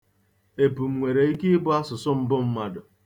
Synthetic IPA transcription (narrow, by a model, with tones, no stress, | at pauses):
e˨pu˨m̩˨ŋʷe˨ɾe˨i˦ki˦bʊ˦a˦sʊ˨sʊ˦m̩˦bʊ˦m̩˦ma˨dʊ˨